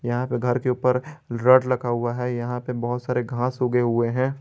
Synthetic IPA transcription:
jɐɦãpeɡʱɐɾkeuːpəɾɾɐɖlɐɡaɦʊaɦɛjɐɦãpebɐɦʊt̪saːɾeɡʱãːsuːɡeɦʊeɦɛ̃ː

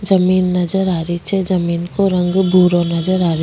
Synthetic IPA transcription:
d͡ʒɐmiːnːɐd͡ʒəɾaːɾit͡ʃʰɛd͡ʒɐmiːnkoɾɐ̃ŋɡbʱuːɾonɐd͡ʒəɾaːɾ

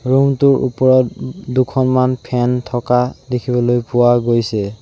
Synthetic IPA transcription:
ɹumtuɹʔṵpɔɹɔtdukʰɔnmanpʰɛntʰɔkadekʰibɔlojpʊwaɡojsɛ

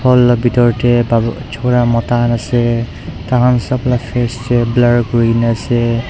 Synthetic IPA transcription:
pʰɔlɔbitɔɹtɛbat͡ʃʰɔɹamɔtanasɛ | taɦansɔplafʰɛstɛblaɹɡɹinasɛ

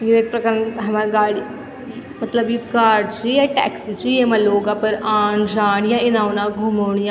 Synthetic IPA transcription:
joeːk̚pɾɐkəɾnɦɐmaːɡaːɽi | mɐt̪ləbjikaːɾɖt͡ʃijaʈɛ̰ːksit͡ʃimaloːɡãpɐɾaːnd͡ʒaːɳjaɪnaːwnaɡʱuːmoːɳjã

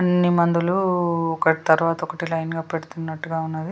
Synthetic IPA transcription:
ɐnːimɐnd̪uluɔkɐʈt̪ɐɾuʋaːt̪ɐɔkɐʈilɐjnɡaːpeɽut̪unːɐʈːuɡaːunːɐd̪i

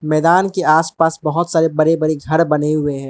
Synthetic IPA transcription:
mɛːd̪aːnkeaːspaːsbɐɦʊt̪saːɾebɐɾebɐɾeɡʱɐɾbɐneɦʊeɦɛ̃ː

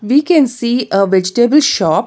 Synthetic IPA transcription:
ʋiːkɛ̃nsiːəʋɛd͡ʒɪʈebəlʃɔːp̚

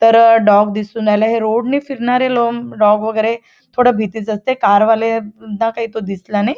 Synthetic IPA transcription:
t̪əɾɖɔɡd̪isũːnd͡zajlaɦeɾoɽniːfiɾɳaɾelomɖɔɡʋəɡəjɾe | t̪ʰoɽəbʱit̪it͡səst̪ekaɾʋalenakaɦiːt̪od̪islanaj

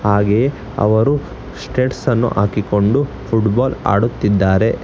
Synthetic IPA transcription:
haːɡe | ɐ̰ʋɐɾu | sʈeːʈsɐnːṵʔa̰ːkiko̞ɳɖu | pʰuʈbaːla̰ːɽut̪ːid̪ːaːɾe̞

